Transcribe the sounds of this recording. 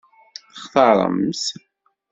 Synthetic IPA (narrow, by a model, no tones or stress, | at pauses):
χθɑɾˤə̰ms